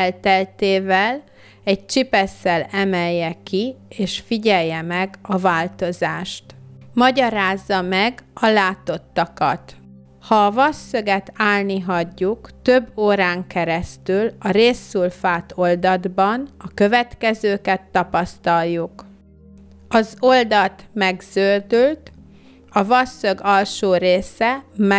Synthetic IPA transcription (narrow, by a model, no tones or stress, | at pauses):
ɛlt̪ɛlt̪eːvɛl | ɛc̚t͡ʃipɛsːɛlɛmɛjːɛkieːʃfiɟɛjːɛmɛɡɒvaːlt̪o̞zaːʃt̪mɒɟɒɾaːzːɒmɛɡɒlaːt̪o̞t̪ːɒkɒt̪ | hɒːvɒsːøɡɛt̪aːlniɦɒɟːukt̪ø̞bːoːɾaːŋkɛɾɛst̪ylɒɾeːsːulfaːt̪o̞ld̪ɒd̪bɒnɒkø̞vɛt̪kɛzøːkɛt̪ːɒpɒst̪ɒlːuk | ɒzo̞ld̪ɒt̪mɛɡz̥ørd̪ylt̪ | ɒvɒsːøɡɒlʃoːɾeːsɛmɛ